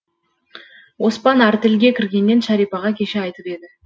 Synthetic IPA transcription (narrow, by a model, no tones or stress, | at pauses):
wo̞spɑnæɾt̪ɪlɡʲe̞kʲʰɪɾɡʲe̞nːe̞nʃɑɾijpɑʁɑkʲʰe̞ʃɪɑjt̪əpe̞d̪ɪ